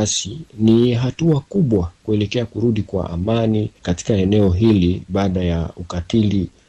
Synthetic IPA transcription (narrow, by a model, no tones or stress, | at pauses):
asiniɦatuakuɓwakuɛlɛkɛakuɾuɗikwa̰ʔa̰manikati̥kaɛnɛɔɦiliɓaːɗajaukatili